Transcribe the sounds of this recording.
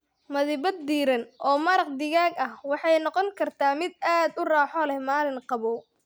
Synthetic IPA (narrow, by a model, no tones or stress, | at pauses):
mɐðɪbɐd̪ːiːɾɐnʔɔːmɐɾɐq̚d̪ɪɣaːɡɐhwɑħɑjnɔqɔŋkʰɐrt̪ʰaːmɪd̪̚aːd̪ʊraːħɔlɛhmaːlɪŋqɑβɔː